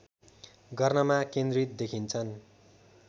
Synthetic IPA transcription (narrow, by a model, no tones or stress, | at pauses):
ɡʌrnʌmakẽnd̪rit̪̚d̪ekʰint͡sʰʌn